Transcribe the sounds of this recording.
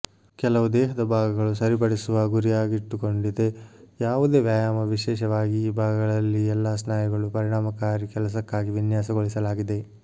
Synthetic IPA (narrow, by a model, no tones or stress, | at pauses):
kɛlɐʋud̪ɛːɦɐd̪ɐbʱaːɡɐɡɐɭusɐɾip̬ɐɽisuʋɐɡuɾijaːɡiʈːuko̞ɳɖid̪e̞jaːʋud̪e̞ːʋjaːjaːmɐʋiʃɛːʃɐʋaːɡiːbʱaːɡɐɡɐɭɐlːiɛlːaːsnaːjɐɡɐɭupɐɾiɽaːmɐkaːɾikɛlɐs̬ɐkːaːɡiʋinjaːsɐɡoɭisɐlaːɡid̪e̞